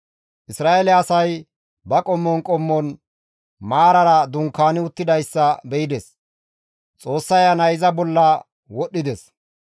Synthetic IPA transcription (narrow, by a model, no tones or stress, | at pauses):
ʔɪsɾaːʔelɛɐsɐj | bɐkʼɔmːɔnkʼɔmːɔn | maːɾɐɾɐd̪ʊŋkːaːnɪʊt̪ːɪd̪ɐjsːɐbɛjɪd̪ɛs | t͡sʼo̞ːsːɐjɐnɐjɪzɐbɔlːɐ | wɔɗːɪd̪ɛs